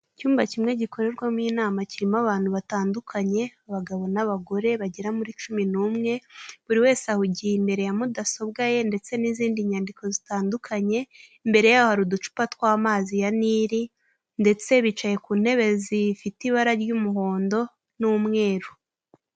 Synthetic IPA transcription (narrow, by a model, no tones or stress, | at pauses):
cuːmbacimŋe̞ɟiko̞ɾe̞ɾɡwamŋiːnaːmaciɾimaβaːn̥huβataːndukʰaɲe̞aβaɡaβo̞naβaɡo̞ɾe̞βaɟeɾamuɾit͡ʃuminuːmŋe̞βuɾiwe̞ːseahuɟihimbe̞ɾe̞jamudaso̞bɡaje̞nde̞t͡se̞niziːndiɲaːndiko̞zitaːndukʰaɲe̞ | mbe̞ɾe̞jaːjohaɾudut͡ʃu̥patwaːmaːzijaniɾi | nde̞t͡se̞βit͡ʃaje̞kuːn̥he̞βe̞zifitiβaɾaɾɟumuɦo̞ːndo̞ | nuːmŋe̞ːɾu